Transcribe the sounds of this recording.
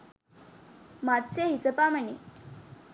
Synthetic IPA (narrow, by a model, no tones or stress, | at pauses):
mat̪t͡seɦit͡səpaməni